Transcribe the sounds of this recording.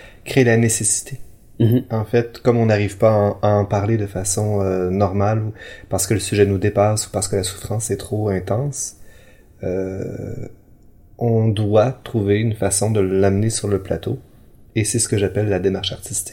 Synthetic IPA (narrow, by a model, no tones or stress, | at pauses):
kχelanesesi̥t̪ʰe | ɑ̃fɛt̪kɔmɔ̃naʁiv̥paɑ̃aɑ̃paʁled̪əfasɔ̃ønɔʁmalupaʁsə̥kələsyʒɛnud̪epasu̥paʁsəkəlasu̥fχɑ̃sɛt̪χoɛ̃t̪ɑ̃ːs | ø | ɔ̃d̪wat̪χuveynfasɔ̃d̪əlamnesyʁləpla̰t̪o | esɛsə̥kəʒapɛlːad̪emaʁʃaʁt̪ist̪i̥k